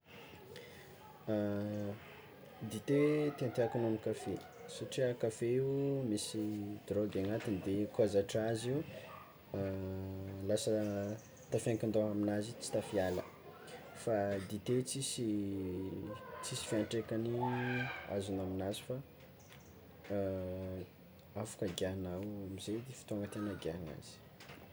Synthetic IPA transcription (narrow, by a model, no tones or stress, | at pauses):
d̪it̪et̪ent̪eakununikafe | suʈ͡ʂiakafeiumisid̪roɡaŋat̪inid̪ekuazaʈ͡ʂaziu | lasə | t̪afaŋkind̪oaminazit͡si̥t̪afialə̰ | fad̪it̪et͡sisi | t͡sisi̥fiaɳʈ͡ʂekani | a̰zunaminazi̥fa | afḁkaɡianawamized̪ifi̥t̪aŋɡət̪enaɡiana̰z̥i̥